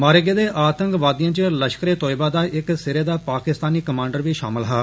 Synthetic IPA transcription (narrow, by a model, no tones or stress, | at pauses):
maːɾeɡeːd̪eːʔaːt̪əŋkʋaːd̪ɪjãːt͡ʃeləʃkɾeːt̪oːɪbaːd̪aːʔɪksɪɾeːd̪aːpaːkɪst̪aːniːkəmãːɳɖəɾʋiːʃa̰ːmɪlɦaː